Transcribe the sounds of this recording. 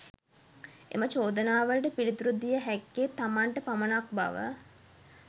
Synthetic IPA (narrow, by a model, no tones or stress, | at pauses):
ḛmət͡ʃoːd̪ənaːʋəlʈəpilit̪uɾud̪ijəɦækːet̪ːamaɳʈəpamənak̚ba̰ʋə̰